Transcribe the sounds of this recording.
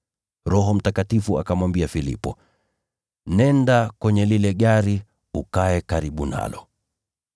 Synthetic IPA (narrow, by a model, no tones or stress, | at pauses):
ɾɔɦɔm̩takatifua̰kamwambiafilḭpɔ | nɛndakwɛɲɛlilɛɠaɾi | ukaɛkaɾiɓuna̰lɔ